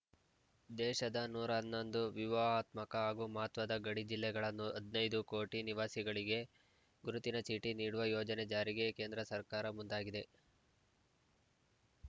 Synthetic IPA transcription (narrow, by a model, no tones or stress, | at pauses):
d̪ɛːʃɐd̪ɐnuːɾɐnːond̪uʋiʋɐaːt̪mɐkɐaːɡumɐɦɐt̪ʋɐd̪ɐɡɐɽid͡ʒilːɛɡɐɭɐnːuɐd̪nɐjd̪ukoːʈiniʋaːsiɡɐɭiɡe̞ | ɡuɾut̪inɐt͡ʃiːʈiniːɽuʋɐjoːd͡ʒɐned͡ʒaːɾiɡe̞ke̞ːnd̪ɾɐsɐɾkaːɾɐmund̪aːɡid̪e̞